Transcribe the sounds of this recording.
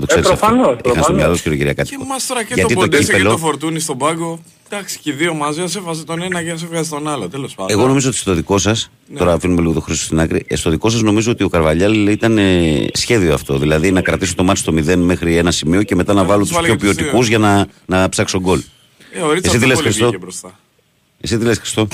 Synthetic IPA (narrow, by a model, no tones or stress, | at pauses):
t̪oseiosɐfnixɐnst̪omɲɐlot̪sceɾiociɾɐkɐt̪ikomɐst̪oɾɐkʝɐit̪od̪ispelofoɾt̪unist̪obɐɡo | d̪̥ɐksi̥ceðiomɐzeɐsefɐzit̪onenɐces̬efɣɐzit̪onɐlot̪eloseɣo̞no̞mizoot̪i̥st̪o̞ðiko̞sɐs | o̞ɾɐfinumeliɣo̞t̪o̞xɾiso̥st̪inɐkɾist̪o̞ðiko̞s̬ɐzno̞mizo̞ot̪io̞kɐɾvɐʎɐlit̪ɐnesçe̞ðio̞ɐft̪o̞ðilɐðinɐkɾɐt̪isut̪o̞mɐt̪st̪o̞miðe̞nme̞xɾie̞nɐsimio̞ceme̞t̪ɐnɐvɐlut̪sçopiot̪ikuzʝɐnɐnɐpsɐkst̪oɡo̞l | eoɾiesit̪ilexɾist̪o̞bɾost̪ɐ | esit̪ilesxɾi̥st̪o̞